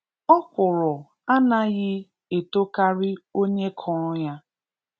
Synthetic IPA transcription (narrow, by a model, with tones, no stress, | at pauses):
ɔ˦kʷʊ˨ɾʊ˨ | a˦na˦ɣɪ˦ | e˨to˦ka˦ɾɪ˦o˦ɲe˦kʰɔ˨ɾʊ˦ja˦